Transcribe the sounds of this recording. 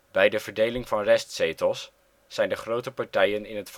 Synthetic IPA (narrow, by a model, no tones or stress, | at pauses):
b̥ɛjdəv̥əɹdejlɪŋvɑnrɛstsejtəlˠsː | ɛjndəχrowtəpɑɹtɛjənɪnɦətf